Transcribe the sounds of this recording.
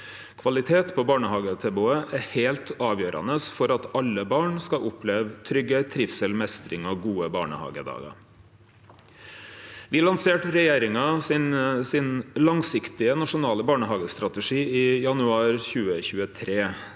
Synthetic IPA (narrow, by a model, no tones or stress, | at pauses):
kʰʋɑlɪt̪ʰeːt̪pʰɔbɑːɳəhɑːɡət̪ʰɛbʊəʔæheːlt̪ʰɑːʋjøːɾɑ̰nəsfɔɾɑt̪ɑlːəbɑːɳskɑʔʊpʰleːʋt̪ʰɾʏɡːət̪ʰɾɪfsɛlmɛst̪ɾɪŋɔɡuːəbɑ̰ːɳə̰hɑ̰ːɡə̰d̪ɑ̰ːɡɑ̰ | ʋɪːlɑnseːʈɾɛjeːɾɪŋɑsɪnsɪnlɑŋsɪkt̪ɪənɑʂʊnɑːləbɑːɳəhɑːɡəst̪ɾɑt̪əʂiːiːjɑnʉɑːɾçʉːəçʉːət̪ʰɾeː